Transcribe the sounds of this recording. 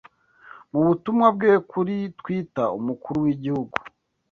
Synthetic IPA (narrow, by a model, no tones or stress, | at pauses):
muβutumŋab̚ɡekʰuɾitwiːtaṵmukuɾuwiɟihuɡu̥